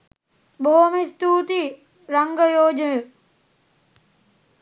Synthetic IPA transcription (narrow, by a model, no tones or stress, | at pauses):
boomist̪uːt̪i | ɾaŋɡəjoːd͡ʒəə